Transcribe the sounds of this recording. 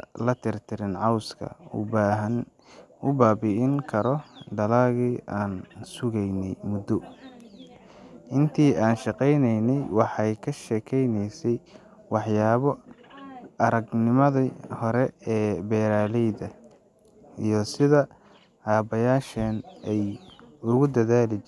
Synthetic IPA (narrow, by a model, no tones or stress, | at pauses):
lɐt̪ʰɪrt̪ʰɪɾɪnʕɑwskʰɐ̰ʊ̰baːɦɐn | ʊbaːbiɪŋkʰɐɾɔɖɐlɐɣiːʔaːnsʊɣɛjnɛjmʊd̪ɔ | ʔɪnt̪ʰiːaːnʃɑqɛjnɛjnɛjwɑħɑjkʰɐʃɛːkʰɛjnɛjsɛj | wɑħjaːβɔ | ɐɾɐɡnɪmɐðihɔɾɛɛːbɛːɾaːlɛjðɐ | ijɞsɪðɐ | aːbɐjaːʃɐnɛjʊɣʊd̪ɐðaːlɪt͡ʃ